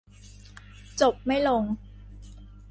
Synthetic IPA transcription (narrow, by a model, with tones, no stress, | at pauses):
t͡ɕo˨˩p̚ma˥˩jlo˧ŋ